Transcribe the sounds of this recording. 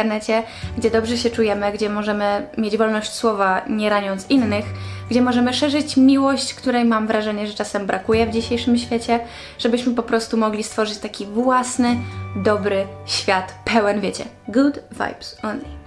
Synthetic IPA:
ɾnɛt͡ɕɛ | ɡd͡ʑɛd̪ɔbʐɛɕɛt͡ʂujɛmɘɡd͡ʑɛmɔʐɛmɘmʲjed͡ʑvɔlnɔɕt͡ɕswɔvaɲɛɾaɲɔnt̪sinːɘxɡd͡ʑɛmɔʐɛmɘʂɛʐɘt͡ɕmʲiwɔɕt͡ɕkt̪uɾɛjmamvɾʔaʐɛɲɛʐɛt͡ʂasɛmbɾakujɛvd͡ʑiɕejʂɘmɕfʲjet͡ɕɛ | ʐ̥ɛbɘɕmɘpɔpɾɔst̪umɔɡlʲist̪fɔʐɘt͡ɕt̪akʲivwasnɘd̪ɔbɾɘɕfʲjat̪pɛwɛnvʲjet͡ɕɛ̰ | ɡud̪va̰jbsɔnla

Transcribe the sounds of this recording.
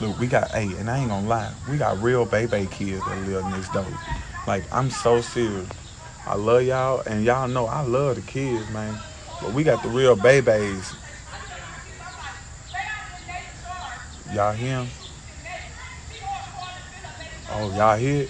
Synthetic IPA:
lʊkwiɡɑ̰ɾʔḛɪɨ̰̃naɪɪ̃ŋə̃nlaɪfwiɡɑ̰t̚ɹilˠbeɪbeɪkʰɪdzðɨ̰tˡlɪvɪ̃n̩ðɪsd̥oʊt̚laɪkã̰ɪ̃msoʊsɪɹə | ʔa̰ɪlʌvjaɨ̃njanoʊa̰ɪlʌvðɨkʰɪdzmæ̃n | b̥ʌt̚wiɡɑt̪̚ðəɹilˠbeɪbeɪz̥ | jɑɦɪ̃m | ʔo̰ʊjɑɦɪ

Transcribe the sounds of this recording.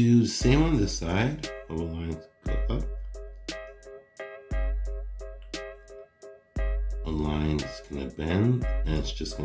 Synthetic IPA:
ɨðɨsẽɪ̃mwʌ̃ndɪsaɪdʌvəlãɪ̃nzɡoʔʌp̚ | əlãɪ̃nz̥kʰʌ̃nɨbɛ̃ndɨ̃nɨtsd̥ʒ̥ʌsɡ̥ʌ̃

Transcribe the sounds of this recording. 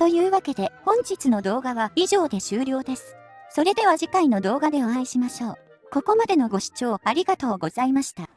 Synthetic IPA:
t̪o̞jɯ̟ːβake̞d̪e̞hõ̞ɲ̟d͡ʑit͡sɨno̞d̪o̞ːɡaβaiʑo̞ːd̪e̞ɕɨːɾʲo̞ːd̪e̞sɨ̥ | so̞ɾe̞d̪e̞β̞aʑikaino̞d̪o̞ːɡad̪e̞oãiɕimaɕo̞ː | ko̞ko̞mad̪e̞no̞ɡo̞ɕi̥t͡ɕo̞ːaɾʲiɡat̪o̞ːɡo̞z̥aimaɕi̥t̪a

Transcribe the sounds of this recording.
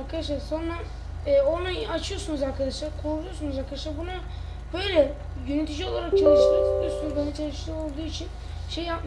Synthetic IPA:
aɾkʰad̪aʃ̬lˠaɾso̞nɾa | ɛːo̞naat͡ʃʰɯjosunuzaɾkʰad̪aʃlˠaɾkʰoɾud̪ujosunuzaɾkʰad̪aʃlˠaɾbuna | b̥ø̞jlʲɛ | jønyt̪ʰid͡ʒio̞lˠaɾak̚t͡ʃʰalˠɯʃˠɯoosunbanɛt͡ʃʰalˠɯʃlˠɯo̞lˠd̪uːit͡ʃʰin | ʃejːap̚m

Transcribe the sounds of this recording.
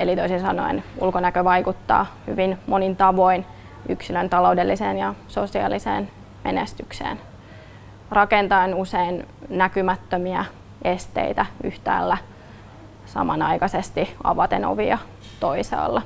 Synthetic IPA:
elit̪oisinsɑno̰inulkonækøʋɑikut̪ːɑ̰ːhyʋinmonint̪ɑʋoin | yksilønt̪ɑloudelːiseːnjɑsosiɑ̰lisḛːn | menest̪yksḛːn | rɑkent̪ɑenuseinnækymæt̪ːømiæ | est̪ḛit̪æy̰ht̪æ̰ːlːæ | sɑ̰mɑnɑikɑsest̪iɑ̰ʋɑt̪eno̰ʋiɑ | t̪oisɑ̰ːlːɑ

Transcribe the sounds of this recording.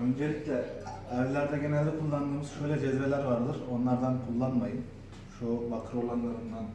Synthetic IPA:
ø̞nd͡ʒelʲicʰʲlʲɛːɾvlʲæɾd̪ɛɟenɛlʲd̪ɛkʰulˠːand̪ɯːmɯz̥ʃø̞jlʲɛd͡ʒɛzvɛlʲæɾvaɾd̪ɯɾo̞nlˠaɾd̪ankʰulˠːanmajɯm | ʃubakʰɯɾo̞lˠanlˠaɾɯnd̪an

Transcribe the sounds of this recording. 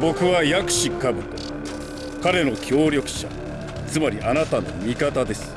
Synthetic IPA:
bo̞kɯ̟βajakɯ̟̥ɕikabɯ̟t̪o | kaɾe̞no̞kʲo̞ːɾʲjo̞kɯ̟̥ɕa̰ | t͡sɨmaɾʲiʔanat̪ano̞̰mʲikat̪ad̪e̞sɨ̥

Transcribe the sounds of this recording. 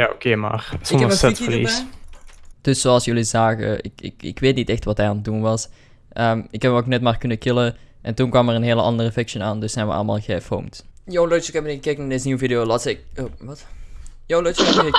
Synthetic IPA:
jaːo̰keːma̰ːrsɔmfɛtfəlḭs | d̥ɵsːoːɑlˠsjɵlizaːɣə̰ɪ̰kɪ̰kɪ̰kʋeːtnitɛxtʋɑtɦɛjandunʋɑs | ʔəmɪkɦɛpoknɛtmaːrkɵnəkɪləʔɛntunkʋɑməɹənɦeːləʔɑndərəfɪkʃənaːndɵsɛjnʋə̰ʔɑ̰lˠəma̰ːlˠɣəfo̰wmtjowloəkɛbnkːɛknadesniwvidɪjoːlatsɛkʋɑtjowlokɛ

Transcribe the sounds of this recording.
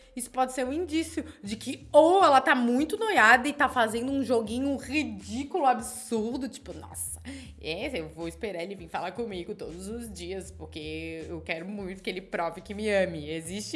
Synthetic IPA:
isʊ̥pɔd͡ʒɪseɾũĩnd͡ʒisjʊd͡ʒɪkɪowɛlɐt̪amũj̃t̪ʊnojad̪ɐɪt̪afazẽnd̪ʊũʒoɡĩɲʊʁid͡ʒikulʊabɪsuɾd̪ʊt͡ʃi̥pʊnɔ̰sɐ̥ | ɛewvowɪspeɾaɾelɪvĩj̃falakõmiɡʊt̪od̪ʊzʊzd͡ʒiɐspoɾkeewkɛɾʊmũj̃t̪ʊkɪelɪpɾɔvɪkɪmɪɐ̃mɪezist͡ʃɪ

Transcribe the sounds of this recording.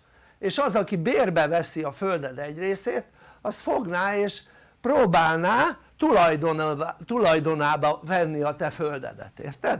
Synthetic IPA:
eːʃɒzɒkibeːrbɛvɛsiɒføld̪ɛd̪ɛɟreːseːt̪ | ɒst̪foɡnaːeːʃ | proːbaːlnaː | t̪ulɒjd̪ont̪ulɒjd̪o̞naːbɒvɛnːiɒt̪ɛføld̪ɛ̰d̪ɛ̰t̪ḛːrt̪ɛd̪

